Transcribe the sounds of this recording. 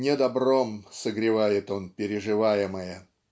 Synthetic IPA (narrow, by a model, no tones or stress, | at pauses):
nʲed̪ɐbro̞msəɡɾʲɪvajɪt̪o̞npʲɪɾʲɪʐɨvajɪməjə